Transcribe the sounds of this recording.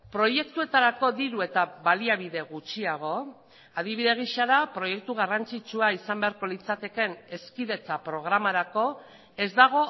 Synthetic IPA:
pɾo̞je̞kt̪ue̞t̪aɾako̞ðiɾue̞t̪aβaliaβ̞iðe̞ɣut͡ʃiaɣ̞o̞ | að̞iβiðe̞ɣ̞iʃaɾapɾo̞je̞k̚t̪uɣ̞arant͡sit͡ʃuaisambe̞aɾko̞lit͡sat̪e̞ke̞ne̞skiðe̞t͡sapɾo̞ɣ̞ɾamaɾako̞ | e̞zd̪aɣ̞o̞

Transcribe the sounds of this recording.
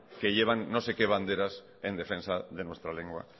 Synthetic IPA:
keʎe̞β̞anːose̞keβ̞and̪e̞ɾas | end̪e̞fẽ̞nsaðe̞nwe̞st̪ɾaleŋɡwa̰

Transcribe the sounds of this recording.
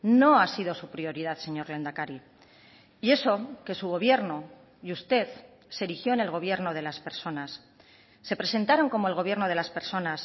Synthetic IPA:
no̞asiðo̞supɾio̞ɾiðaðse̞ɲo̞ɾle̞nd̪akaɾi | ie̞so̞ke̞suɣ̞o̞βje̞ɾno̞ | just̪e̞θ | seɾixjo̞ene̞lɣ̞o̞β̞je̞ɾno̞ð̞e̞laspe̞ɾso̞nasː | e̞pɾe̞se̞nt̪aɾo̞ŋko̞mo̞elɣ̞o̞β̞je̞ɾno̞ð̞e̞laspe̞ɾso̞nas

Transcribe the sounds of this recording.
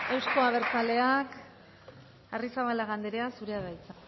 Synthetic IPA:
e̞wsko̞aβ̞e̞ɾt͡sale̞ak | arisaβalaɣand̪eɾeasuɾeaɣajt͡sa

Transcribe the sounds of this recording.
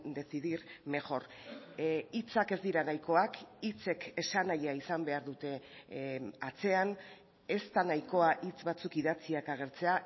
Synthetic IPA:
d̪e̞siðiɾme̞ʝo̞r | it͡sake̞zd̪iɾanajko̞akit͡se̞ke̞sanajaisambe̞aɾðut̪e̞ | at͡se̞an | e̞st̪anajko̞aʔit͡sβat͡sukiðat͡siakaɣ̞e̞ɾt͡se̞a

